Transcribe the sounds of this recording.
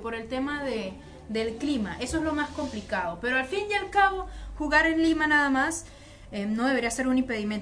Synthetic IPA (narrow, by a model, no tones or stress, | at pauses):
po̞ɾe̞lt̪e̞maðe | ðe̞lklimaʔe̞soe̞zlo̞masko̞mplikað̞o̞pe̞ɾoalfinjalkaβo̞xuɣaɾe̞nlimanaðamas | eno̞ð̞e̞βɾiase̞ɾunĩmpe̞ðimjen